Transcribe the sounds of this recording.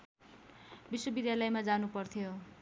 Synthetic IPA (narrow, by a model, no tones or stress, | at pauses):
biswʌbid̪jalʌjmad͡zanupʌrt̪ʰijo